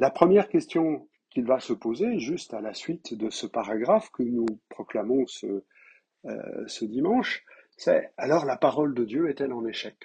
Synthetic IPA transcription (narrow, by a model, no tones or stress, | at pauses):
lapχəmjɛʁkʲɛst̪jɔ̃ | kʲilvasəpozeʒyst̪alasɥit̪d̪əsəpaʁaɡʁafkənupχɔklamɔ̃sə̰ | səd̪imɑ̃ʃsɛalɔʁlapaʁɔld̪əd̪jøɛt̪ɛlɑ̃neʃɛk